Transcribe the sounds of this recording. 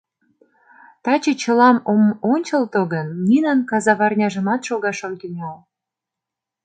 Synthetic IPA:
t̪ɑt͡ɕet͡ɕə̆lɑmomonʲt͡ɕəlt̪oɣənːinɑnkɑzɑβɑrnʲɑʒə̆mɑt̪ʃoɣɑʃomt̪ynʲɑl

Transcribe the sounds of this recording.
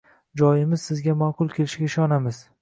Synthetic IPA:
d͡ʒɒjɪmɪz̥sɪzɡʲamaqʰʊlˠkʲʰelɪʃɡʲaɪʃɒnamɪz̥

